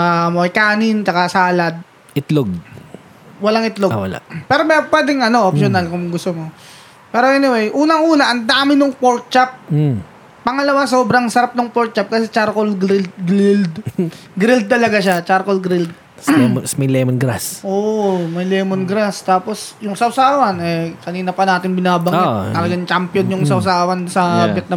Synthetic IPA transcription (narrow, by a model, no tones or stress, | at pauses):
ʔamoɐjkaːnɪnt͡ʃɐkasaːlɐd̪̚ | ʔɪt̪loɡ̚ | wɐlaŋʔɪt̪lowɐ̰la̰pɛːɾomɐpːwɛːd̪ɪŋɐno̞ʔopʃonalkʊmŋɡʊst̪omo | pɛːɾoʔɛnɪwejʔuːnɐŋʔuːnɐʔɐnd̪aːmɪnʊŋpoɹt̪̚t͡ʃap̩̚ː | ɐŋɐlɐwasoːbɾɐŋsɐɾap̚nɐŋpoɾt̪̚t͡ʃap̚kɐsɛt͡ʃaɾkolɡɾɪld̪̚ɡɾɪld̪ | ɡɾɪld̪̚t̪ːɐlɐɡaʃat͡ʃaɾkolɡɾɪld̪̚ | ɛsmɐjlɛmonɡɾasʔoːmɐjlɛːmonɡɾast̪aːpo̞sjʊŋsɐwsaːwɐnɛkɐniːnɐpɐnaːt̪ɪnbɪnaːbɐŋɡat̪ːɐlɐɡant͡ʃampjonjʊŋsɐwsaːwɐnsɐbjɛt̪nɐ